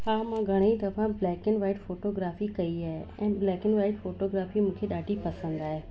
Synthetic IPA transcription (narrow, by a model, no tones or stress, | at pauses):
ɦaːmãːɡʱɐɽ̃eit̪ɐfʰãblɛːkɪnʋaːɪʈfoːʈoːɡɾaːfikɐiaːɦeɛ̰̃ːblɛːkɪnʋaːɪʈfoːʈoːɡɾaːfimũːkʰeɗaːʈipɐsə̃nd̪aːɦeː